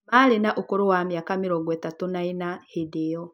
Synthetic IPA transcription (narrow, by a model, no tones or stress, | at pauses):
alenaʔokoɾowamjakamiɾɔɡwɛtatonainahideɔ